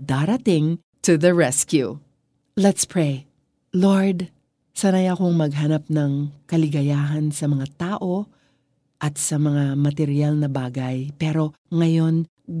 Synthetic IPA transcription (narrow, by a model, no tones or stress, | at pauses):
d̪aɾɐt̪ɪŋ | t̪ʊðɐɹɛskjṵ | lɛt̪spʰɹej | loɹd̪ | sɐnajɐko̞ŋmɐɡ̚ɦɐnap̚nɐŋkɐlɪɡɐjaːɦɐnsɐmɐŋat̪aːʔo̞ | ʔɐt̪sɐmɐŋamɐt̪ɛɾialnɐbaːɡɐjpɛɾo̞ŋɐjo̞n